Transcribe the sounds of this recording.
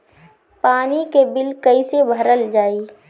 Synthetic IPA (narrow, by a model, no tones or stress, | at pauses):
paːnikebɪlkəisebʱəɾəld͡ʒaːiː